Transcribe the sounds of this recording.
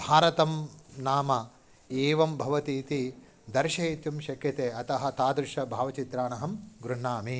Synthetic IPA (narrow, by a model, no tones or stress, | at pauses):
bʱaːɾɐt̪ɐmnaːmɐ | eːʋɐmbʱɐʋɐt̪iːt̪i | d̪ɐɾʃɐit̪jumʃɐkjɐt̪eːɐt̪ɐɦɐ̆t̪aːd̪ɾuʃɐbʱaːʋɐt͡ʃit̪ɾaːɳɐɦɐmɡɾuɳːaːmi